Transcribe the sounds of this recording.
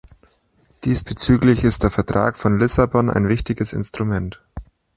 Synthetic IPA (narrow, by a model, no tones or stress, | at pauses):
d̥iːsb̥ət͡syːklɪçɪstd̥eːɐfɛɐtʁ̥a̰ːkfɔnlɪsabɔnʔa̰ɪnvɪçtɪɡəsɪ̰nstʁ̥umɛnt